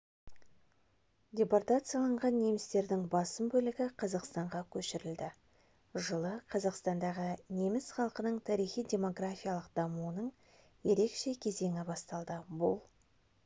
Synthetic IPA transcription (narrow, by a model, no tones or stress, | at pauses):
dʲe̞port̪at̪sɨjalˠɑɴʁɑnːe̞mɪst̪e̞ɾd̪ɪŋbɑsəmbɵlɪɡʲɪqʰɑzɑqst̪ɑɴʁɑkʲʰɵʃɪɾɪld̪ɪ | ʒəlˠəqʰɑzɑqst̪ɑnd̪ɑʁəne̞mɪsχɑlˠqənəɴt̪ʰɑɾijχijdʲe̞mo̞ɡrafʲijalˠəqd̪ɑmuənəɴ | je̞ɾe̞kʃe̞kʲʰe̞ze̞ŋʲɪbɑst̪ɑlˠd̪əbʊlˠ